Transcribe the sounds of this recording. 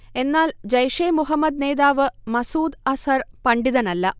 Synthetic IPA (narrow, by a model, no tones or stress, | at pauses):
e̞nːaːld͡ʑɐjʂeːmuɦɐmːɐd̪̚neːðaːʋɨmɐsuːd̪ɐsɐrpɐɳɖiðɐnɐlːɐ